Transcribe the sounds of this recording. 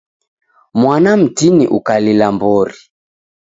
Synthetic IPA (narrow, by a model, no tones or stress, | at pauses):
mwanam̩tinḭʔukalilambɔɾi